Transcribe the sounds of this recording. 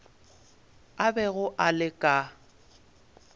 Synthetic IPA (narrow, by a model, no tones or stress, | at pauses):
abɛɣʊʔalɪkʼa